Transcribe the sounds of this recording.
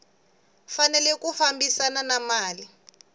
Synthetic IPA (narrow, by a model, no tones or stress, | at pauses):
fanɛlɛkufambisananamaːli